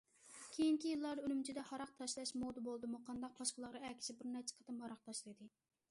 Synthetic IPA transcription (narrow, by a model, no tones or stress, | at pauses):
kʲʰejiŋkʲʰijilˠːɑɾylymt͡ʃʰid̪ɛhɑɾɑq̚t̪ʰɑʃlˠɛʃmod̪ɨbolˠd̪ɨmuqʰɑnd̪ɑq̚bɑʃqəlˠəʁʁɑɛkʲʰi̥ʃɪbɪɾnæt͡ʃʰɛ̥qʰət̪ɨmhɑɾɑq̚t̪ʰɑʃlˠɨjd̪ɨ